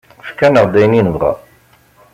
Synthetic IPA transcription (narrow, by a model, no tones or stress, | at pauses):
fkænəʁd̪æjninəvʁɑ̰